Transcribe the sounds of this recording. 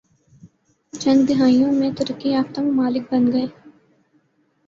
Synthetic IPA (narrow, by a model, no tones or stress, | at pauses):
t͡ʃɐ̃nd̪d̪ɪɦaːijõmẽt̪əɾəkːiaːft̪ə̃mmaːlɪk̚bɐnɡɐeː